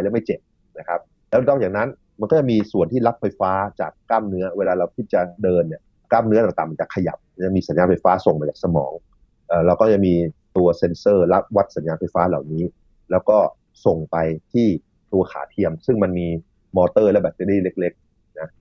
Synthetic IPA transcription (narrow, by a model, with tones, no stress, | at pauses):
jlɛː˦˥wma˥˩jt͡ɕe˨˩p̚ | na˦˥kʰa˦˥p̚ | lɛ˦˥nɔː˥˩a˨˩na˦˥n | ma˧nkɔː˥˩a˨˩miː˧su˨˩ənt̪ʰiː˥˩la˦˥p̚fa˧jfaː˦˥t͡ɕaː˨˩kːaː˥˩mnɯ˦˥ɐweː˧laː˧ɾa˧wkʰi˦˥t̪̚t͡ɕa˨˩dɤː˧nːi˨˩ɐ | kaː˥˩mnɯ˦˥ɐt̪a˨˩ŋt̪aː˨˩ma˧nt͡ɕa˨˩kʰa˧ja̰˨˩p̚a˧t͡ɕa˨˩ŋmiː˧sa˩˦njaː˧fa˧jfaː˦˥so˨˩ŋpa˧jt͡ɕaː˨˩sa˧mɔ̰ː˩˦ŋ | ʔɤː˨˩ɾa˧wkɔ˥˩a˨˩ŋmiː˧t̪u˧ɐse˧nsɤː˥˩la˦˥p̚wa˦˥t̪̚sa˩˦njaː˧fa˧jfaː˦˥la̰ː˨˩wniː˦˥ | lɛː˦˥wkɔː˥˩ | so˨˩ŋpa˧jt̪ʰiː˥˩ | t̪u˧ɐkʰa̰ː˩˦t̪ʰi˧əmsɯ˥˩ŋma˧nmiː˧ | mɔː˧t̪ɤː˥˩lɛ˦˥bɛː˨˩t̪̚ːe˧liː˥˩le˦˥k̚le˦˥k̚ | na˦˥